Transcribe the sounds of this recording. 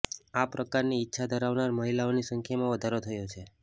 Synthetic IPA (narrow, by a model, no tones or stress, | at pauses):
apɾəkaɾniːtːʃʰad̪ʱəɾaʋnaɾməɦilaonisəŋkʰjamãʋəd̪ʱaɾot̪ʰəjot͡ʃʰe